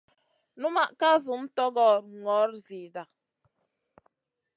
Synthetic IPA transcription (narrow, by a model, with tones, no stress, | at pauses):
nu˦ma˨ʔka˦zu˨˦m̩˦tɔ˦ɡɔ˦˨ɾŋɔ˨˦ɾzi˨da˨